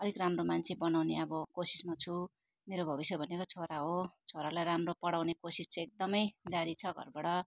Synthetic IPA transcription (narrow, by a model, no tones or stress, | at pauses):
ʌlikramromant͡sʰebʌnawneʌbʌkosi̥smat͡sʰu | meɾobʱʌbisjʌbʱʌnekot͡sʰoɾaɦot͡sʰoɾalajramropʌɽawnekosist͡sẽek̚d̪ʌmʌjd͡zaɾit͡sʰʌɡʱʌ̰rbaɽʌ